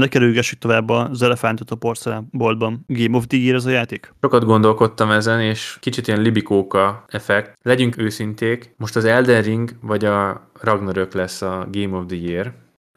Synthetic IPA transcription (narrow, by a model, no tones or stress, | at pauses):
nɛkɛɾylɡɛʃi̥k̚t̪o̞vaːbːɒzɛlɛfant̪ot̪ɒpo̞rt̪sɛlabo̞ld̪̚bɒnɡeːmo̞vd̪ijeːɾɛzɒjaːt̪eːkʃo̞kɒd̪ɡo̞nd̪o̞lko̞t̪ːɒmɛzɛneːʃkit͡ʃit̪ijɛnlibikoːkɒɛfɛk̚t̪lɛɟyŋkøːsint̪eːkmo̞ʃt̪ɒzɛld̪ɛriŋɡvɒɟɒrɒɡnøɾøklɛsːɒɡeːmovd̪ijeːr